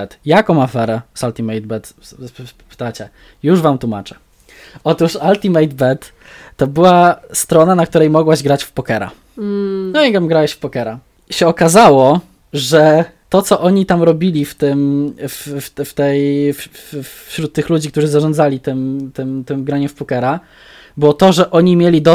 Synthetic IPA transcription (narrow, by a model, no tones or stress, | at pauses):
ɛt̪jakɔ̃w̃afɛɾɛsalt̪imɛjd̪̚bɛt̪ | pɘ̥t̪at͡ɕɛ | juʐvamt̪wuma̰t͡ʂɛ̥ | ɔt̪uʂalt̪ʲimɛjd̪bɛt̪ː | ɔbɘwast̪ɾɔnanakt̪uɾɛjmɔɡwaʑɡɾat͡ɕfpɔkɛɾa̰ | nɔɲaɡvamɡɾawɛɕfpɔkɛɾa | ɕɛɔkazawɔ | ʐɛt̪ɔt̪sɔʔɔɲit̪amɾɔbʲilʲift̪ɘmfft̪ft̪ɛjffɕɾut̪̚ːɘxlud͡ʑik̚t̪uʐɘzaʐɔnd̪zalʲit̪ɘmt̪ɘmt̪ɘmɡɾaɲɛfpɔkɛɾa | bɘwɔt̪ɔʐɛʔɔɲimʲjelʲid̪ɔ